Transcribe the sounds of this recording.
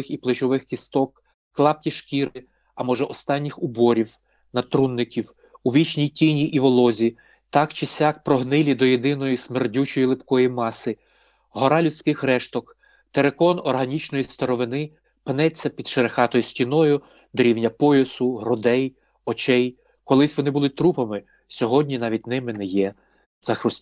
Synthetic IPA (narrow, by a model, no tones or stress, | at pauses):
ɪxiplˠɪt͡ʃɔʋɪxkʲist̪ɔkː | lˠɑp̚kʲiʃkʲiɾɪ | ɐmɔʒɛʔɔst̪ɑnʲːixʊbɔɾʲiw | nɐt̪ɾunːɪkʲiw | uʋʲit͡ʃnʲijtʲinʲiʔiʋɔlˠɔzʲi | t̪ɑkt͡ʃɪsʲɑk̚pɾɔɦnɪlʲid̪ɔjed̪ɪnɔjismerdʲut͡ʃɔjilˠɪpkɔjimɑsɪ | ɦɔɾɑlʲʊt͡sʲkɪxɾɛʃt̪ɔk | t̪eɾekɔnɔrɦɐnʲit͡ʃnɔjist̪ɐɾɔʋɪnɪ | pɪnɛt͡sʲːɐpʲid̪ʃeɾexɑt̪ɔjʊsʲtʲinɔjʊ | d̪ɔɾʲiwnʲɐpɔjʊsʊɦɾɔd̪ɛj | ɔt͡ʃɛj | kɔlˠɪsʲʋɔnɪbʊlˠɪt̪ɾupɐmɪ | sʲɔɦɔdʲnʲinɑʋʲitʲnɪmɪnɛjɛ | z̥ɐxɾʊsʲ